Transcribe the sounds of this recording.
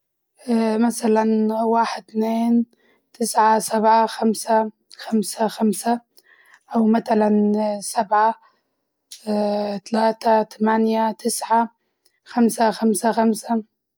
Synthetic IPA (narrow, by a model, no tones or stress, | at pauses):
maθalanwaːħɪd̪̚t̪neːn | t̪ʰɪsʕasabʕaxamsa | xamsaxamsa | ʔawmat̪alansabʕa | t̪alaːt̪at̪ʰamanjat̪ʰɪsʕa | xamsaxamsaxamsa